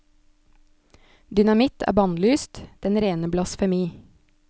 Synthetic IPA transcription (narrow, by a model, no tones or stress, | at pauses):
d̪ʏnɑmɪt̪ʰæ̰ːbɑnlyːst̪d̪̥ɛnɾeːnəblɑsfɛmiː